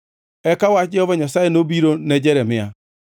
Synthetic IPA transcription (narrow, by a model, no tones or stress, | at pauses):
ɛkawat͡ʃɛɔvɔɲasaɛnobiɾonɛd͡ʒɛɾɛmɪa